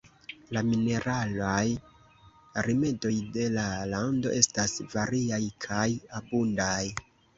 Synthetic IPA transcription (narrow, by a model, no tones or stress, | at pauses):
lamine̞ɾʔalaj | ɾime̞do̞jde̞lalando̞̰ʔe̞stasvaɾiajkʰajabundaj